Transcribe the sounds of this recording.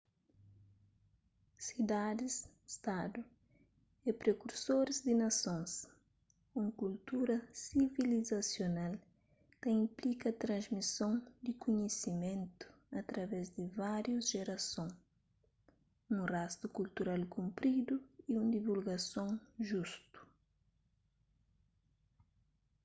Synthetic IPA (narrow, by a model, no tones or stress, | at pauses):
sid̪ad̪ɪs | st̪ad̪u | epɾekuɾsoɾɪzd̪ɪnɐsõŋs | ũŋkult̪uɾɐsivilizɐsjonal | t̪ɐĩmplikɐt̪ɾɐ̃zmisõŋd̪ɪkuɲesimẽnt̪u̥ | ɐt̪ɾɐvɛzd̪ɪvaɾjuzʒeɾɐsõŋ | nũrast̪ukult̪uɾalkũmpɾid̪uiũnd̪ivulɡɐsõŋʒust̪u̥